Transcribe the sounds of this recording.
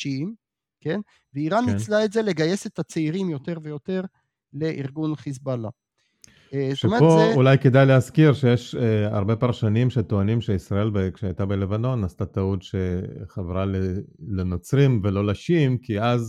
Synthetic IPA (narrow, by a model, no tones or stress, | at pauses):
ʃim | ken | veiʁanːislaetze̞le̞ɡaje̞set̪hat͡seiʁimjo̞t̪e̞ʁve̞jo̞t̪e̞ʁ | leʔiʁɡunχizbala | tʃomeboulajke̞d̪ajleaskiʁʃejeʃa̰ʁbe̞paʁʃanimʃet̪oanimʃeisʁae̞lbekʃeajt̪abele̞vano̞nast̪at̪audʃeχavʁalelenot͡sʁimvelo̞laʃimkiaz